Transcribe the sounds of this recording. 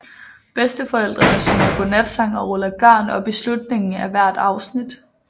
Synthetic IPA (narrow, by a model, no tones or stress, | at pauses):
b̥esd̥əfɒ̽el̰d̥ʁɐbɐsønɐpʰɔ̽næd̥sɑ̈ŋ̰ɒ̽ʁɔlɐɡ̥ɶɐ̰nɒ̽b̥e̝slud̥ne̝ŋn̩æʋæɐ̰d̥ɑ̈ʊsnid̥